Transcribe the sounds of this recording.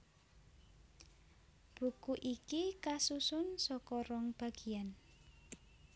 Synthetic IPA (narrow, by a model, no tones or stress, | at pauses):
b̥ṳkuʔikikasusʊnsɔkɔɾɔŋb̥a̤ɡ̥i̤an